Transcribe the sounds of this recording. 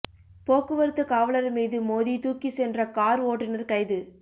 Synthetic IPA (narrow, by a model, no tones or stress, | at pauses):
poːkɯʋɐɾɯt̪ːɯkaːʋɐɭɐɾmiːðɯmoːðit̪uːkisɛndrɐkaːɾoːʈːɪnɐɾkɐɪðɯ